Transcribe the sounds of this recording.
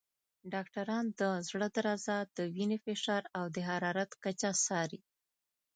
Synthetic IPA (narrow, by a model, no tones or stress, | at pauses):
ɖɑkʈaɾɑnd̪əzɽəd̪aɾɑzad̪əwinefɪʃɑɾawd̪əɦaɾɑɾat̪kat͡ʃasɑɾi